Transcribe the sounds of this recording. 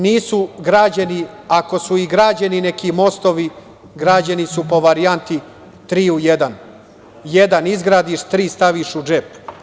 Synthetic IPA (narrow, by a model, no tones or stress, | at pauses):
niːsuɡɾaːd͡ʑaniako̞suiɡɾaːd͡ʑenine̞kimo̞st̪oʋi | ɡɾaːd͡ʑanisupo̞ʋaɾijant̪i | t̪ɾiːujed̪an | jed̪anizɡɾaːd̪iʃt̪ɾiːst̪aʋiʃud͡ʒep